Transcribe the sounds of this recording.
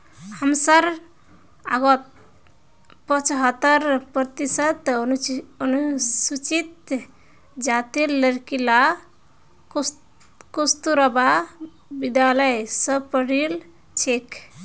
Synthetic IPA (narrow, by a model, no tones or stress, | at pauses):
həmsəɾ | a̰ɡɔt̪ | pət͡ʃɦət̪ːəɾpɾət̪isət̪ | ənusut͡ʃit̪ | d͡ʒat̪illəɾkila | kust̪uɾəba | bid̪jaləjsəpəɽil | t͡ʃʰek